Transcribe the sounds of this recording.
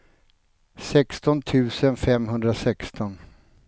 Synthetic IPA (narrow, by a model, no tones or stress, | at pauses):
sɛkst̪ɔnt̪ʰʉ̟ːsənfɛmːɦɵnd̪ɾasɛkst̪ɔn